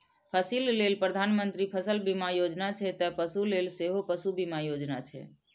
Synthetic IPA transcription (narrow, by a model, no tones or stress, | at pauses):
pʰəsillelpɾəd̪ʱanmənt̪ɾipʰəsəlbimajod͡ʒnat͡ʃʰɛt̪əpəsulelseɦopəsubimajod͡ʒna̰t͡ʃʰɛ̰